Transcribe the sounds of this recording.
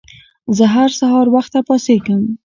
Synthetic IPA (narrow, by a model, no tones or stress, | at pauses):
zəɦaɾsahɑɾwaxt̪apɑsekəm